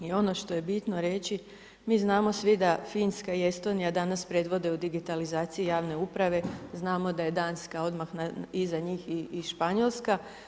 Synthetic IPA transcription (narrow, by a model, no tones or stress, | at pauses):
io̞no̞ʃt̪o̞je̞bit̪no̞ɾe̞t͡ɕi | miːznaːmo̞sʋid̪afiːnskaie̞st̪o̞nijad̪anaspɾe̞d̪ʋo̞d̪e̞ud̪iɡit̪alizaːt̪sijijaːʋne̞upɾaʋe̞znaːmo̞d̪aje̞d̪aːnskao̞d̪maxnaizaɲiːxiiʃpaɲolska